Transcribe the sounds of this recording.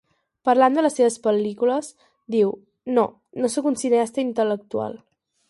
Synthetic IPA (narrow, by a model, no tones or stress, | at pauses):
pəɾland̪ələsːeβəspəlikuləs | d̪iw | no | nosəkunsineast̪əint̪ələk̚t̪ua̰lˠ